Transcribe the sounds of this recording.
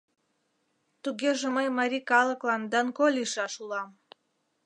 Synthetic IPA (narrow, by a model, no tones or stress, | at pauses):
t̪uɣeʒeməjmɑɾʲikɑlə̆klˠɑnd̪ɑnkolʲiʃɑʃulɑm